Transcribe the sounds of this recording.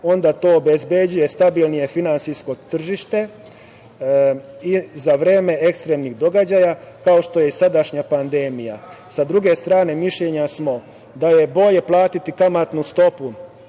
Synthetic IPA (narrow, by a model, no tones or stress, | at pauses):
o̞nd̪at̪o̞ːobezbed͡ʑuje̞st̪abilˠnije̞finant̪sisko̞t̪r̩ʒiʃt̪e̞ | izaʋɾe̞ːme̞e̞kst̪ɾe̞mniɣd̪o̞ɡad͡ʑajakao̞ʃt̪o̞je̞isad̪aʃɲapand̪e̞ːmija̰sad̪ɾuɡe̞st̪ɾaːne̞miʃʎe̞ɲasmo̞ | d̪aje̞bo̞ʎe̞plˠaːt̪it̪ikamat̪nust̪o̞pu